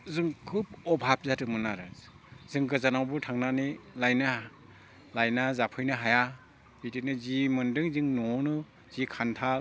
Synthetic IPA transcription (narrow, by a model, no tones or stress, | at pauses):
zɯŋkʰub̚ɔbʱap̚zatɯmɯnaɾɯ | zɯŋɡɯzanawbɯtʰaŋnanilajna | lajnazapʰɯjnɯɦaja | b̥itinɯzimɯndɯŋzɯŋnɔnɯ | z̥ikʰantʰal